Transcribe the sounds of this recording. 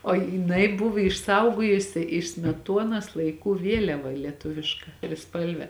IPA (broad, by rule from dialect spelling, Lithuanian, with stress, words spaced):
oː jɪˈnɐɪ ˈbʊʋoː ɪʃˈsɐʊɡoːjʊsʲɪ ɪʃ sʲmʲɛˈtuɔnɐs lˠɐɪˈkuː ˈʋʲiɛlʲɛʋɐ lʲiɛˈtʊʋʲɪʃkɐ tʲrʲɪˈspɐlʲʋʲɛ